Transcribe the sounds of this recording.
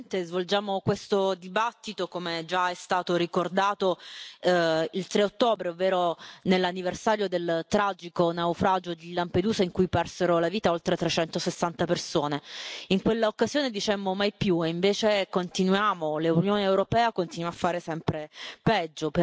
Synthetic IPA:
nt̪ezvold͡ʒaːmokwest̪od̪ibat̪ːit̪okomed͡ʒaɛst̪aːt̪oɾikord̪aːt̪o | ilt̪ɾeot̪ːoːbɾeovːeːɾonelːanːiversaːɾjod̪elt̪ɾaːd͡ʒikonaufɾaːd͡ʒod̪ilːamped̪uːzaiŋkujpɛrseɾolaviːt̪aolt̪ɾet̪ɾet͡ʃɛnt̪osesːant̪apersoːneiŋkwelːaokːazjoːned̪it͡ʃɛmːomajpjueiɱveːt͡ʃekont̪inwjaːmoleunjoːneːwɾopɛːakont̪inwafːaːɾesɛmpɾepɛd͡ʒːop

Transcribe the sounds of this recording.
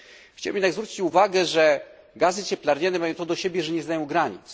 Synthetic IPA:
xt͡ɕawɛmjɛd̪aɡzvɾut͡ɕi̥t͡ɕuvaɡɛʐɛ | ɡazɘt͡ɕɛplaɾɲanɛmajɔ̃w̃t̪ɔd̪ɔɕɛbʲjɛʐɛɲɛznajɔ̃w̃ɡɾaɲit̪s

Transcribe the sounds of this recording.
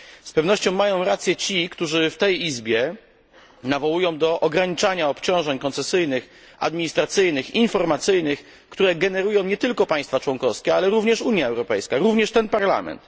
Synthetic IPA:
spɛvnɔɕt͡ɕɔ̃w̃ːajɔ̃w̃ɾat̪sʲjɛt͡ɕikt̪uʐɘft̪ɛjizbʲjɛ | navɔwujɔ̃w̃d̪ɔʔɔɡɾaɲit͡ʂaɲaɔpt͡ɕɔ̃w̃ʐɛɲkɔnt̪sɛsɘjnɘx | a̰d̪mʲiɲist̪ɾat̪sɘjnɘxinfɔɾmat̪sɘjnɘx | kt̪uɾɛɡɛnɛɾujɔ̃w̃ɲɛt̪ɘlkɔpãj̃st̪fat͡ʂwɔŋkɔfskʲɛalɛɾuvɲɛʂuɲjaɛwɾɔpɛjskaɾuvɲɛʂt̪ɛnpaɾla̰mɛ̰nt̪

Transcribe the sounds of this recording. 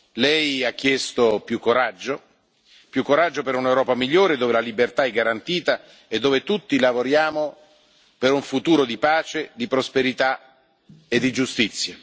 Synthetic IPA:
lɛjak̟ːjɛst̪opjukːoɾad͡ʒːo | pjukːoɾad͡ʒːopeɾunewɾɔːpamiʎːoːɾed̪oːvelalibert̪aɛɡːaɾant̪iːt̪a | ed̪ːoːvet̪ut̪ːilavoɾjaːmo | peɾuɱfut̪uːɾod̪ipaːt͡ʃed̪ipɾospeɾit̪a | ed̪ːid͡ʒust̪it̪sːja

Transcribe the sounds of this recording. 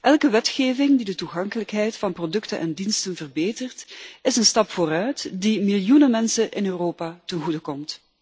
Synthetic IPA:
ʔɛlˠkəʋɛtxeːvɪŋdidətuɣɑŋkələkɦɛjtfɑnprodɵktənʔɛ̰ndinstənvərbeːtərtɪsənstɑpfoːrœɥtdimɪljunənmɛnsənʔɪnøːroːpaːtənɣudəkɔmt

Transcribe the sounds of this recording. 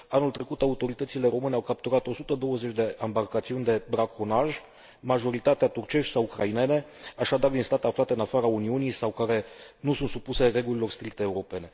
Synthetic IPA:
anult̪ɾe̞kut̪aut̪o̞ɾit̪ət̪sile̞ɾo̞mɨneawkap̚t̪uɾat̪o̞sut̪əd̪o̞wəze̞t͡ʃʲd̪e̞ʔambarkat̪siunʲd̪e̞bɾakʰonaʒ | maʒo̞ɾit̪at̪eat̪urt͡ʃe̞ʃt̪ʲsawukɾaine̞ne̞aʃad̪ard̪inst̪at̪eaflat̪eɨnafaɾauniunijsawkaɾe̞nusunt̪supuse̞re̞ɡulilo̞rst̪ɾik̚t̪eːuɾo̞pe̞ne̞

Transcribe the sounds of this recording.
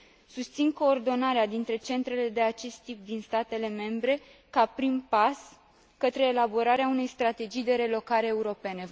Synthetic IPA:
sust̪sinko̞ːrd̪o̞naɾead̪int̪ɾe̞t͡ʃe̞nt̪ɾe̞le̞d̪e̞at͡ʃe̞st̪ːip̚d̪inst̪at̪e̞le̞me̞mbɾe̞ | kapɾimpas | kət̪ɾe̞ːlabo̞ɾaɾeaune̞jst̪ɾat̪e̞d͡ʒijd̪e̞ɾe̞lo̞kaɾeːuɾo̞pe̞ne̞

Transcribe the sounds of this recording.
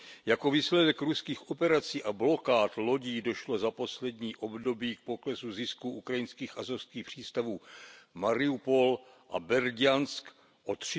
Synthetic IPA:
jako̞viːslɛdɛkɾuskiːxʔo̞pɛɾat͡siːʔablo̞kaːt̪lo̞ɟiːdo̞ʃlo̞zapo̞slɛdɲiːʔo̞bdo̞biːk̚po̞klɛsuzɪskuʔukɾajɪnskiːxʔazofskiːxpr̝̥iːst̪avuːmaɾɪupo̞l | ʔa̰bɛɾɟansk | ʔot̪r̝̥

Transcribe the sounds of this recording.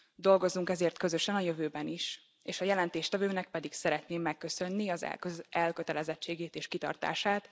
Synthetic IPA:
d̪o̞lɡo̞zuŋkɛzeːrt̪kø̞zøʃɛnɒjø̞vøːbɛniʃ | eːʃɒjɛlɛnt̪eːʃt̪ɛvøːnɛk̚pɛd̪iksɛɾɛt̪neːmːɛkːø̞sø̞nːiɒzɛ̰ʔɛlkøt̪ɛlɛzɛt͡ʃːeːɡeːt̪eːʃkit̪ɒ̰rt̪a̰ːʃaːt̪

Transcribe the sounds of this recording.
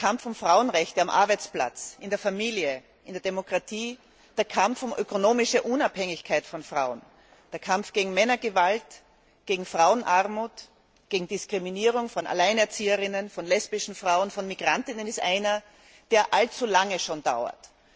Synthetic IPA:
kʰamfʊmfʁ̥aʊənʁɛçtəamʔa̰ɐbæɪt͡spla̰t͡sɪndeɐfamiːljə | ʔɪndeɐdemokʁ̥atʰiː | d̥eːɐkʰamfʊmʔø̰konoːmɪʃəʔʊnaphɛŋɪçkʰaɪtfɔnfʁ̥aʊən | d̥eːɐkʰamfɡ̥eːɡŋ̩mɛnɐɡəvalt | ɡ̥eːɡŋ̩fʁaʊənʔaʁmuːt | ɡ̥eːɡŋ̩d̥ɪskʁ̥iminiːʁ̞ʊŋfɔna̰laɪnɛɐt͡siːəʁɪnənfɔnlɛsb̥ɪʃn̩fʁ̥aʊənfɔnmiɡ̥ʁantɪnənɪstʔaɪnɐ | d̥eːɐʔalt͡sulaŋəʃoːnda̰ʊɐ̰t

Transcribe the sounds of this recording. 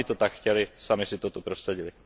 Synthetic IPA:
it̪ɔt̪akxcɛlisamisit̪ɔt̪upɾɔst̪ɾɛɟili

